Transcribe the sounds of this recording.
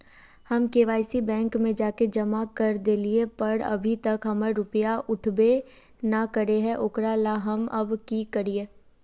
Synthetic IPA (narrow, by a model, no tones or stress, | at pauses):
hɐmkeːʋaːɪsibɛ̃ːŋkmẽd͡ʒaːked͡ʒɐmakɐɾd̪eːliepɐɽɐ̰bʱit̪ɐkɦɐməɾʊpəjaʔʊʈʰbe | nakəɾeɦɛ̃ʔʊkɾalaɦɐmɐbkikəɾieː